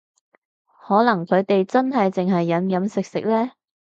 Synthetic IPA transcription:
hɔː˨˥lɐ˨˩ŋkʰɵ˨˧ɥt̪e˨jt͡sɐ˥nɦɐ˨jt͡sɪ˨ŋɦɐ˨jːɐ˨˥njɐ˨˥msɪ˨k̚sɪ̰˨k̚lɛː˥

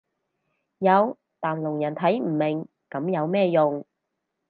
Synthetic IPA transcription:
jɐ˨˧w | t̪aː˨˩mlʊ˨˩ŋjɐ˨˩nt̪ʰɐ˨˥jm̩ː˨˩mɪ˨˩ŋ | kɐ˨˥mjɐ˨˧wmɛː˥jʊ˨ŋ

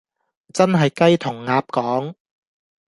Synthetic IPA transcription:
t͡sɐ˥nɦɐ˨jkɐ˥jt̪ʰʊ˨˩ŋːaː˧p̚kɔː˨˥ŋ

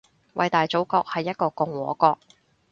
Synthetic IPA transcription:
wʔɐ̰˨jt̪aː˨jt͡so˨˥wkɔː˧k̚hɐ˨jːɐ˥t̚kɔː˧kʊ˨ŋwɔ̰ː˨˥kɔː˧k̚

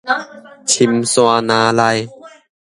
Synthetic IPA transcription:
t͡ɕʰi˨˧˩msu˧a˧naː˨˧˦la˧j

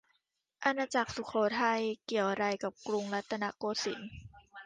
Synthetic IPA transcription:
ʔa˧naː˧t͡ɕa˨˩k̚su˨˩kʰɔː˨˦t̪ʰa˧jki˨˩əwɾa˧jka˨˩p̚klu˧ŋla˦˥t̪ʰːa˧na˧koː˧si˨˩˦n

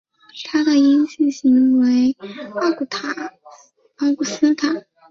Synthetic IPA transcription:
t̪ʰa˥d̪ə˨i˥nɕi˥˩ɕi˧˥ŋwe˧˥ɪa˥˩ku˨˩t̪ʰa˨˩˦ | ɑ˥ʊku˥˩sɹ̩˥t̪ʰa˨˩˦

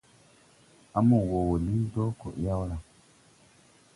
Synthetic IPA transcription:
a˨mũ˨wo˨wo˨li˦do˦ko̰˨ʔja˦wla˨

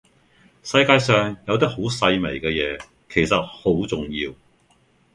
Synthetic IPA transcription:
sɐ˧jkaː˧jsœː˨ŋjɐ˨˧wt̪i˥k̚ho˨˥wsɐ˧jme˨˩jkɛː˧jɛː˨˧ | kʰe˨˩jsɐ˨t̚ho˨˥wt͡sʊ˨ŋjiː˧w

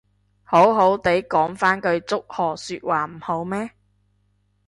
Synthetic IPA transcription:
ho˨˥wɦo˨˥wt̪e˨˥jkɔː˨˥ŋfaː˥nkɵ˧ɥt͡sʊ˥k̚hɔː˨˩syː˧t̚waː˨˩m̩˨˩ho˨˥wmɛː˥

